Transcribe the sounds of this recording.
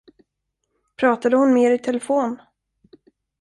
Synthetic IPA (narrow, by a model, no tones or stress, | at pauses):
pʰɾɑːt̪ad̪əhʊnmeːɾɪt̪ʰɛlɛfoːn